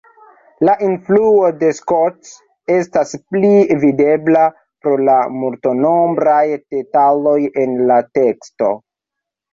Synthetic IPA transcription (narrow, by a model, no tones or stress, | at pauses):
laʔinfluo̞de̞skots | e̞stasplivide̞bla | pɾo̞lamulto̞no̞mbɾajd̥e̞talo̞je̞nlate̞ksto̞̰